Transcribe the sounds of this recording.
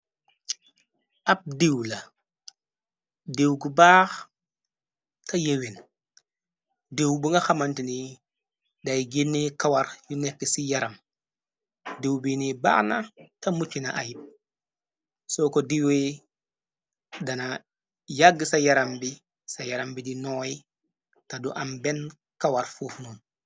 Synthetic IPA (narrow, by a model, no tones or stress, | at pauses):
ap̚dewla | dewɡubaːx | tajewin | dewbuŋɡaxamantini | dajɡenːikawaɾjunekːisijaɾam | dewbiniba̰ːxna̰tamut͡ʃːinaʔa̰jip̚ | sokodiwe | dana | jaɡisajaɾambi | sajaɾambidinoji | taduʔamben | kawaɾfufnun